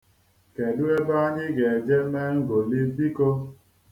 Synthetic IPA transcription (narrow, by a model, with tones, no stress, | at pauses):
ke˨du˦e˦ba˦ɲɪ˦ɡe˨d͡ʒe˦me˦ŋ̩˦ɡo˨li˦bi˦ko˦